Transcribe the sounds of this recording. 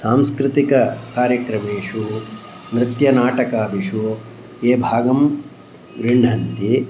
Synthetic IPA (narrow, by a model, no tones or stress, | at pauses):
saːmskɾɪt̪ikɐkaːɾjɐkɾɐmeːʂu | nɾɪt̪jɐnaːʈɐkaːd̪iʂu | eːbʱaːɡɐm | ɡɾiɳɖʱɐnt̪i